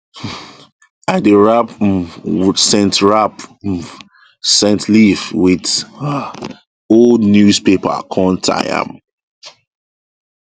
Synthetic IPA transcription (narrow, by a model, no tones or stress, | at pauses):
aɪdeɹap | sɛ̃ntɹap | sɛ̃ntʰlivwɪd | oldnjuspepə̰kʰɔ̃ntʰa̰jã̰m